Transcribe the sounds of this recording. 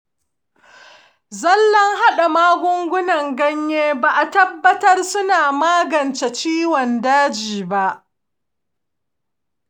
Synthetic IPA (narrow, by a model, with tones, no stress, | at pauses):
zɐ˦lːɐ˦ŋɦa˦ɗa˨maː˦ɡʷʊ˦ŋɡʷʊ˦nɐ˨ŋɡɐ˦ɲjeː˦baː˨ʔa˨tɐ˦bːɐ˦tɐ˦rsʊ˦naː˨maː˦ɡɐ˨nt͡ʃe˨t͡ʃiː˦wɔ˨ndaː˦d͡ʒiː˨ba˦ʔ